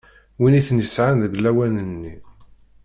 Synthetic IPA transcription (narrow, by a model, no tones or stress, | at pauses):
winiθnəsʕanðəɡlæwænənːi